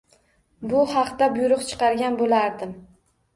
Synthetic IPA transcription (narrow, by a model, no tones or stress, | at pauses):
bʊhɑqt̪abʊjɾʊqt͡ʃʰɨ̥qɑɾɡʲanbolaɾd̪ɪm